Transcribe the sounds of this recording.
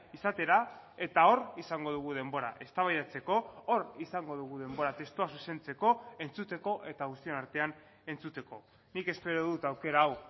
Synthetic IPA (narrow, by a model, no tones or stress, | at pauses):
isat̪e̞ɾa | e̞t̪ao̞ɾisaŋɡo̞ð̞uɣ̞uð̞e̞mbo̞ɾa̰ʔe̞st̪aβajðat͡se̞ko̞orisaŋɡo̞ðuɣ̞uðe̞mbo̞ɾat̪e̞st̪uasuse̞nt͡se̞ko̞e̞nt͡sut̪e̞ko̞ʔe̞t̪aɣust̪ie̞naɾt̪e̞an | e̞nt͡sut̪e̞ko̞ | nike̞spe̞ɾo̞ðut̪awke̞ɾaːw